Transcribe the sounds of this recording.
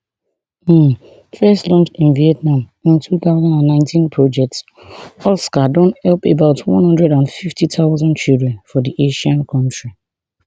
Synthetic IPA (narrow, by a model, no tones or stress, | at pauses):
fɛstlɔ̃nt͡ʃĩnviɛtnãm | ĩntʰuθaʊzãndãnːãɪ̃ntĩnpʰɹɔd͡ʒɛk̚ts | ɔlskadɔ̃nthɛlpebaʊtwɔ̰̃nhʌ̃ndɹɛdãnfiftitʰaʊzɔ̃nt͡ʃildɹɛ̃nfɔdiʔeʃãnkʰɔ̃ntɹi